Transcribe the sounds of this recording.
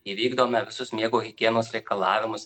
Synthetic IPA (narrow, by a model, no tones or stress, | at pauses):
iːʋʲiːɡd̪oːmʲɛʋʲɪsʊsmʲiɛɡoːɣʲɪɡʲiɛnoːsɾʲɛɪkɐlˠɑːʋʲɪmʊs